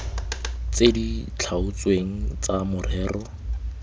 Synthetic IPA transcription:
t͡sedit͡ɬʰaʊt͡sweŋ̩t͡samʊrɛːrɔ

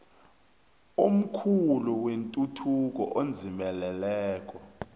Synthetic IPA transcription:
um̩kʰuluwentʼutʰuk̬ɔ̰ʔond͡zʱimɛlɛlɛːk̬ʼɔ

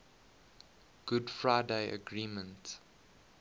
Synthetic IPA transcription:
ɡ̥ʊdfɹaɪdeɪʔə̰ɡɹĩːmə̃nt

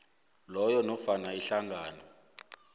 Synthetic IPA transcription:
lɔjɔnɔfanaiɬaŋɡaːnɔ

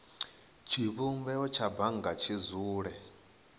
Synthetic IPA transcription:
t͡ʃʰiβumbɛɔt͡ʃʰabaŋɡat͡ʃʰizuːɺɛ

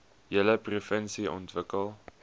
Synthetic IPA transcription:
jələprefɛnsiʔɔ̰ntvəkəlˠ

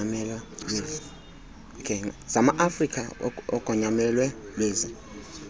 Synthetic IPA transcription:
amɛlwalweːzi | kʰɛz̥amaʔafrikʰaɔɡ̥ʱɔɲamɛlwɛlweːzi

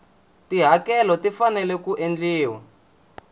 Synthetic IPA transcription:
tiɦakɛlɔtifanɛlɛkuʔend͡ɮiːwa

